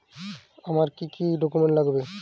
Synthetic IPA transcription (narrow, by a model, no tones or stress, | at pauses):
amaɾkikiɖɔkumeɳʈlaɡbe